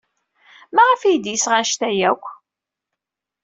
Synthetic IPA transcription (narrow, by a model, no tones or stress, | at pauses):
mæʁəfijd̪jəsʁaʃt̪æjækʷː